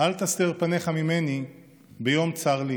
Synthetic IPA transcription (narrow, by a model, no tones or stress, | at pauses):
ʔalt̪ast̪eʁpane̞χamime̞ni | bejo̞mt͡saʁli